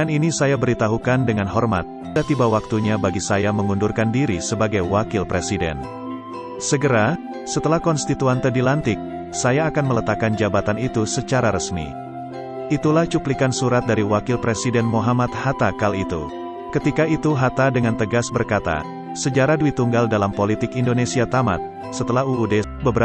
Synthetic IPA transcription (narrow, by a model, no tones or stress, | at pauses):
aninisajabəɾit̪aɦukandəŋanɦɔrma̰t̪̚ | dat̪ibawak̚t̪uɲabaɡisajaməŋundurkandiɾisəbaɡajwakɪlpɾesidɛ̰n | səɡəɾa | sət̪əlahkɔnst̪it̪uant̪ədilant̪ɪk̚ | sajaːkanmələt̪akːand͡ʒabat̪anit̪usət͡ʃaɾaɾəsmḭ | it̪ulaht͡ʃuplikansuɾat̪̚daɾiwakɪlpɾesidɛnmoɦamat̪̚hat̪akalit̪ṵ | kət̪ikait̪uɦat̪adəŋant̪əɡasbərkat̪a̰ | səd͡ʒaɾaduit̪uŋɡaldalampolit̪ɪkindonesiat̪ama̰t̪̚ | sət̪əlaɦuːde | bəbəɾa